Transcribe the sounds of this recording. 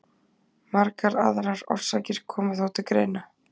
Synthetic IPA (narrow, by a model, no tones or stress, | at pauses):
maɾkaɾaðaɾaɾɔ̰r̥saːcɪɾ̥kʰɔːmʏθawt̪ɪkɾeːjna